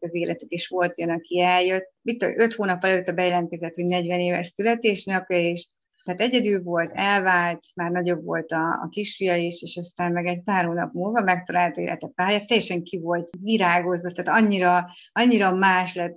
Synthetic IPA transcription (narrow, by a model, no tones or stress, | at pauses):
ɒzeːlʔɛt̪ykeːʃʋo̞lt̪jønɒkiɛljøt̪ːit̪ːo̰ø̞t̪hoːnɒpːɒlɛløːt̪ːɛbɛjɛlɛnt̪kɛzɛt̪ho̞ɟnɛɟvɛneːvɛ̰ʃsylɛt̪eːʃnɛkɛeːʃ | t̪ɛːt̪ɛɟɛd̪ylvo̞lt̪ɛlvaːlt̪maːrnɒɟo̞bvo̞̰lt̪ɒ̰ːkiʃfijɒiʃeːʃɒst̪aːmmɛɡɛɟpaːrhoːnɒ̰pmulvɒmɛk̚t̪ɒlaːlt̪ɒḛːlʔɛ̰t̪ɛpaːrjɒt̪ːɛjːɛʃɛŋkivo̞lt̪viɾaːɡo̞zot̪ːaːt̪ɒɲːiɾɒ | ɒɲːiɾɒmaːʃlɛt̪